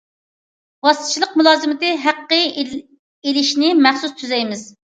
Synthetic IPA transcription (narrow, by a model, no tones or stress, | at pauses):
wɑsʰt͡ʃʰilˠəq̚mulˠɑːzɨmɪt̪ɨɦæqːə | elɪʃnɪmæχsust̪ʰːyzɛjmɪz